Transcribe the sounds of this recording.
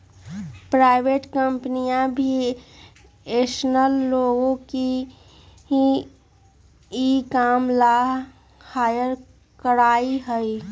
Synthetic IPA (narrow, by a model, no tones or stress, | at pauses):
pɾaːɪʋeːʈkəmpnijãbʱi | eːʃnəlːoːɡõki | ikaːmla | haːjəɾ | kəɾaːiɦəi